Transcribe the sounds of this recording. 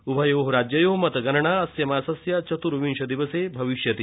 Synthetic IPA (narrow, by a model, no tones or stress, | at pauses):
ubʱɐjoɦɾad͡ʑjɐjoɦmɐt̪ɐɡɐɾɳaɐsjɐmaːsɐsjat͡ʃɐt̪uɾuʋinʃɐd̪iʋɐsebʱɐʋiʃjɐt̪i